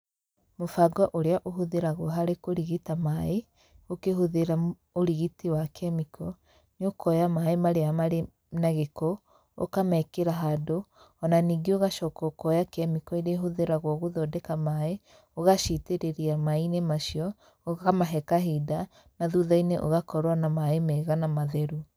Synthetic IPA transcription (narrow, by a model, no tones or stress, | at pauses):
mofaɡɔʔoɾeaʔoɦoðeɾaɣoɦaɾekoɾiɣitamae | okeɦoðeɾa | oɾiɣitiwakʰɛmikʰɔ | nokɔjamaemaɾeamaɾe | naɣekɔ | o̰kamɛkeɾaɦado | ɔnaniːɡeoɣaʃɔkɔkɔjakɛmikɔiɾeɦoðeɾaɣwɔɣoðɔdɛkamae | oɣaʃiteɾeɾiamainemaʃiɔ | oɣamaɦɛkaɦida | naðuðaineʔoɣakɔɾwanamaemɛɣanamaðɛɾu